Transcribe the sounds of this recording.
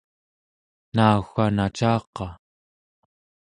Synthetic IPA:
nauxanat͡ʃaːqɑ

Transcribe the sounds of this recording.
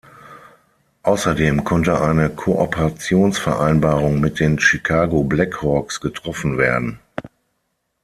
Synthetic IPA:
ʔaʊsɐdeːmkʰɔntəʔaɪnəkʰoʔɔpʰəʁat͡sjoːnsfɛɐʔaɪnbaːʁʊŋmɪt̚d̥eːnʃikʰaːɡoblɛkhɔːksɡ̥ətʁ̥ɔfn̩veːɐdn̩

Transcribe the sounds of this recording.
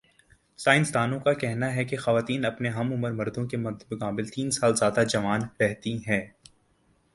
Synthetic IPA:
saːɪ̃nsd̪aːnõkakɛɦnaɦɛkexɐʋaːt̪iːnɐpneɦɐmʊməɾmɐɾd̪õkemɐd̪bɐkaːbɪlt̪iːnsaːlzjaːd̪ad͡ʒɐʋaːnɾɛɦt̪iɦɛː

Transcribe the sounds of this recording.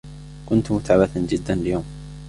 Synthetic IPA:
kʊnt̪mʊt̪aʕabaθand͡ʒɪd̪ːanljoːm

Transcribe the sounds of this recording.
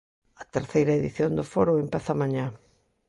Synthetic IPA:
ɐt̪eɾθejɾɐeðiθjond̪ʊfoɾʊempaθɐmaɲã

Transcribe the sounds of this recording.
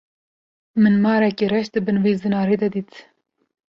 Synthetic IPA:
mɨnmɑːɾɛkeɾɛʃd̪ɨbɨnveːzɨnɑːɾeːd̪ɐd̪iːt̪

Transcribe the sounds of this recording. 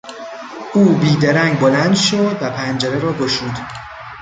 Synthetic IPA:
ʔuːbiːd̪eɾæŋɡbolænd̪ʃod̪væpʰænd͡ʒeɾeɾɒːɡoʃuːd̪

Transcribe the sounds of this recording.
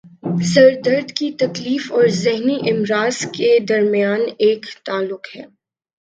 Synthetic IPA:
sɐɾd̪əɾd̪kit̪ɐkliːfɔːɾzɪɦniʔɪmɾaːz̥ked̪ɐɾmijaːneːkt̪aːlːʊqhɛː

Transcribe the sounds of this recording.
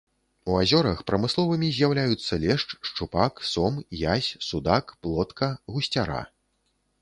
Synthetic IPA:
uazʲɔɾɐxpɾɐmɨslˠɔvɨmʲizʲjawlʲajut̪sːɐlʲɛʂt͡ʂʂt͡ʂupaksɔmjasʲsud̪akplˠɔt̪kʰɐɣusʲt͡sʲaɾa̰

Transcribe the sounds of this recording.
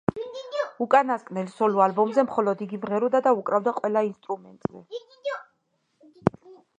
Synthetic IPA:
ukʼanaskʼnɛlsɔlualbɔmzɛmχɔlɔd̪iɡivʁɛɾud̪ad̪aukʼɾavd̪aqʼwɛlainst̪ʼɾumɛ̰nt̪ʼz̥ɛ

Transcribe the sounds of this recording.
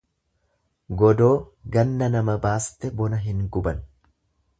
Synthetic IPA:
ɡɔd̪oː | ɡɐnːɐnɐmɐbaːst̪ɛbɔnɐɦɪŋɡʊbɐn

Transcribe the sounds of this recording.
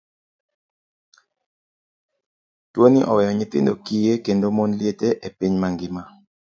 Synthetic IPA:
twoniʔɔwɛjɔɲɪt̪ɪ̰ndokijekendomonljeteʔepiɲmaŋɡɪma

